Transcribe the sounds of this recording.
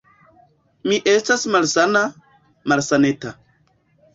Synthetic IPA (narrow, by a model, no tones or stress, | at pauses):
miʔestasmalsana | malsaneta